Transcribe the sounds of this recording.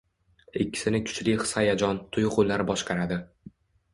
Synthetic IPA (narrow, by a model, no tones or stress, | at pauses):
ɪkʲʰːɪ̥sɪnɪkʰʊ̥t͡ʃlɪχɨ̥sajad͡ʒɒnt̪ʰʊjʁʊlːaɾbɒʃqɑɾad̪ɪ